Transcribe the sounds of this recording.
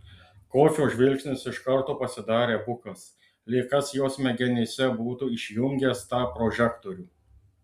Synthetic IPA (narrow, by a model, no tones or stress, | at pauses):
koːkʲoːʒʲʋʲɪlʲksʲnʲɪsɪʃkɐɾt̪uːpɐsʲɪd̪ɑːɾʲeːbʊkɐs | lʲeːkɐsjoːsmʲɛɡʲɛnʲesʲɛbuːt̪uːɪʃʲjʊŋʲɡʲɛst̪ɑːpɾɔʒʲɛkt̪ɔɾʲuː